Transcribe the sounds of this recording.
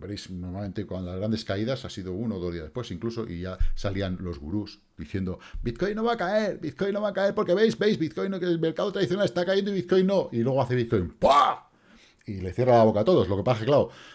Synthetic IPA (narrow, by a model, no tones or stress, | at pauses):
beɾejsnoɾmalme̞nt̪ekwand̪laɣɾand̪e̞skaiðasasiðounoðozðiazðespwesiŋklusoʔḭʝasalianlo̞zɣṵɾus | d̪iθje̞nd̪o̞bit̪ko̞jnːo̞βakae̞ɾbit̪̚ko̞jnːo̞βakae̞ɾpo̞ɾke̞βejzbejzβit̪ko̞jnokelme̞ɾkaðot̪ɾaðiθjo̞nale̞st̪akajend̪oiβit̪̚ko̞jnːo̞ilweɣo̞aθeβitko̞jnpa | ile̞θje̞ralaβo̞kat̪o̞ðo̞slo̞ke̞pasaxeklao